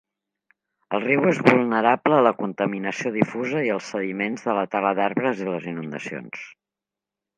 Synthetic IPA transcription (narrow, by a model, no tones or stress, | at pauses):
əlˠriwezβulˠnəɾapləːləkunt̪əminəsioðifuzəiəlˠsːəðimenzðələt̪aləðaɾβɾəziləzinund̪ə̰sio̰ns